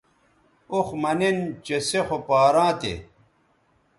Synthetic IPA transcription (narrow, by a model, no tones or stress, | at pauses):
oxmɐnint͡ɕesexopaːɾãːt̪ḛ